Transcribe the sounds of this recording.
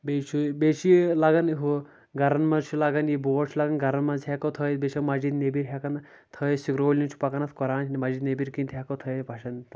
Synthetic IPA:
bet͡ʃʰubet͡ʃʰilaɡɐnɦu | ɡɐɾɐnmɐt͡ʃʰulaɡɐnjiboːʈt͡ʃʰlaɡɐnɡɐɾɐnmɐnzʰekɐwt̪ʰəj̪beʃʰɐmɐd͡ʒid̪nebiɾɦʲekɐn | t̪ʰɐjsikɾoːlʲint͡ʃʰu̥pɐkɐnɐt̪ʰkɔɾaːnt͡ʃʰnimɐd͡ʒid̪nebiɾkint̪ʰɦekɐt̪ʰɐjpɐʃɐnt̪

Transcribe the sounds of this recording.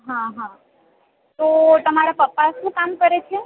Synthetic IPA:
ɦãɦã | t̪ot̪əmaɾapəpːaʃũkamkəɾet͡ʃʰe

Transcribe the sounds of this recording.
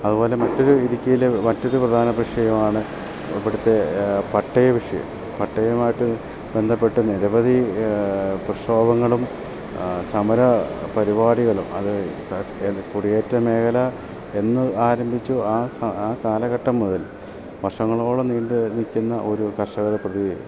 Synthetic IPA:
ɐðubo̞ːle̞mɐtːo̞ɾuiɾikʲːujilemɐtːo̞ɾuprɐd̪ʱaːnɐbriʂɐjɐmaːɳɨ | iʋiɽut̪ːe̞pɐʈːɐjɐʋiʂɐ̰jɐ̰m | pɐʈːɐjɐmaːjiʈːɨ | be̞nd̪ʱɐpːe̞ʈːɨniɾɐbɐði | prɨʂoːbɐŋːɐɭum | sɐmɐɾɐpɐɾibaːɽiɣɐɭumɐ̰ðɨ | kuɽijeːtːɐme̞ːkʰɐlɐ | e̞nːɨaːɾɐmbʱit͡ɕːuaːsɐaːkaːlɐɣɐʈːɐmːuðɐl | ʋɐrʂɐŋːɐɭo̞ːɭɐniːɳɖɨnikʲːunːɐʔo̞ɾukɐʂɐɣɐɾeprɐði

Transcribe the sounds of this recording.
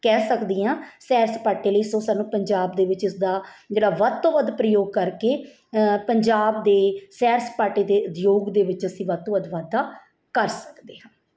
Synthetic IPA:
kɛːsəkd̪iːãːsɛːɾspaːʈiːləiːsõːsaːnːũːpəɲd͡ʒaːb̚d̪eːʋɪt͡ʃɪsd̪aːd͡ʒeːɽaːʋət̪õːʋəd̪pɾəjoːɡ̚kəɾkeː | pəɲd͡ʒaːb̚d̪eːsɛːɾspaːʈiːd̪eːʊd̪joːɡd̪eːʋɪt͡ʃəsĩːʋət̪õːʋəd̪ʋad̪a | kəɾsə̥kd̪eːɦãː

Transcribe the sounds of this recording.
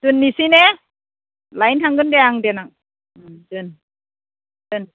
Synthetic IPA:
tunːisinɛ | lajntʰaŋɡɯndɛaŋdenaŋ̚ | tɯn | tɯn

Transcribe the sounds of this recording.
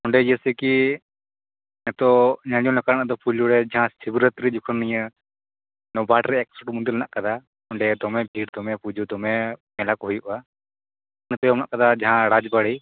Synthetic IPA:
ɔɳɖɛjəsɛki | nɛt̪ɔɲaɲ̃ɔ̃lɛkanaʔd̪ɔpʰuluɽɛd͡ʒaɦãsibɾət̪ɾid͡ʒukʰənnːijə | nɔbʱaʈɾɛɛk̚sɔʈmund̪iɾlɛna̰ʔkad̪a | ɔɳɖɛd̪ɔmɛbʱiʈd̪ɔmɛpud͡ʒud̪ɔmɛmɛlakɔɦujuʔa | nɛt̪ɔjɔmna̰ʔkad̪ad͡ʒaɦãɽad͡ʒbaɽɛj

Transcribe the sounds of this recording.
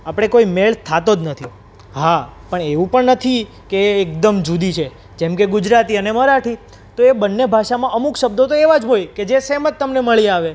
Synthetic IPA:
apɽ̃ekoimeɭt̪ʰat̪od͡ʒnət̪ʰi | ɦapəɳeʋũpəɳnət̪ʰi | keːk̚d̪əmd͡ʒud̪it͡ʃʰe | d͡ʒemkeɡʊd͡ʒɾat̪iəneməɾaʈʰi | t̪oebənːebʱaʃamãʔəmukʃəb̚d̪ot̪oeʋad͡ʒɦojked͡ʒesemət̪ːəmneməɭiaʋe

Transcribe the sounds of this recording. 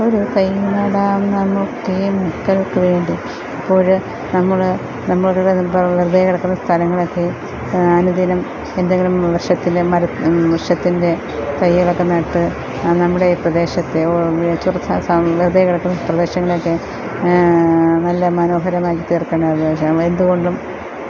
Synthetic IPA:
o̞ɾut̪ɐjnɐɽaːmnɐmːokːemukːɐlokːeʋe̞ːɳɖi | ɐpːo̞ːɭ | nɐmːɐɭ | nɐmːɐɭkːɐɽepɐʋird̪ʱɐjkɐɽɐkːunːɐst̪ʰɐlɐŋːɐɭo̞kːe | ɐnud̪ʱinɐm | e̞nd̪eŋɡilumʋɐrʂɐt̪ːindemɐɾɐʋɐrʂɐt̪ːinde̞ | t̪ɐjɐɭɐkːenːɐʈːɨ | nɐmːuɽe̞prɐd̪e̞ːɕɐt̪ːe̞t͡ɕurt̪ʰːɐsɐʋird̪ʱɐjkɐɽɐkːunːɐprɐd̪e̞ːɕɐŋːɐɭo̞kːe̞ | nɐlːɐmɐno̞ːɦɐɾɐmaːkːit̪iːrkːeːɳɖɐprɐd̪eːɕɐe̞nd̪uɣo̞ɳɖum

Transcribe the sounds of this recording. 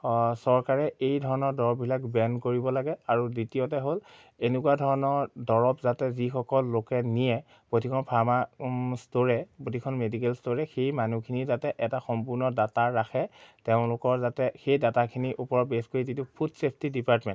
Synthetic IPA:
sɔɹkaɹɛejdʱɔɹɔnɔɹdɔɹɔpbʱilakbɛnkoɹibɔlaɡɛaɹuditiɔtɛɦol | enekuwadʱɔɹɔnɔɹdɔɹɔpzatɛzixɔkɔlːokɛnijɛ | potʰikʰɔnpʰaɹmastoɹɛpotʰikʰɔnmedikɛlstoɹɛxejmanukʰinizatɛʔɛtaxɔmpuɹnɔdataɹːaxɛteʊ̃lʊkɔɹzatɛxejdatakʰiniʔupɔɹɔt̚beskoɹizitupʰutsepʰtidipatmɛnt

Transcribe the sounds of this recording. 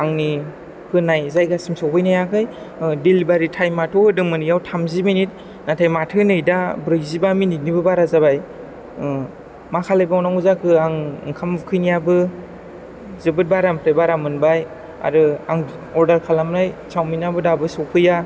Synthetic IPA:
aŋni | kʰɯnajzajɡasimsawpʰɯjnajakʰɯj | dilibaɾitʰajmatʰɔɯdɯŋmɯnjawtʰamziminit̚ | natʰajmatʰɯnɯjdabɾɯjzibamininibɯbaɾazabaj | makʰalajbawnaŋuzakʰɯaŋŋkʰamkʰɯjnijabɯ | zɯbɯt̚baɾampʰɾebaɾamɯnbaj | a̰ɾɯa̰ŋ | ɔɾdaɾkʰalamɾajt͡ʃawminabɯdabɯsɔwpʰɯja

